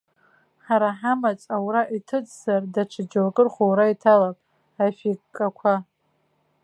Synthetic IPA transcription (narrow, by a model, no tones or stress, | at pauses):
ħaɾaħamat͡sʼawɾaʔitʰɨt͡sʼzardaʈ͡ʂʷʰɨd͡ʒalkʼɨrχʷowɾaitʰalapʼ | afikʼːakʷʰa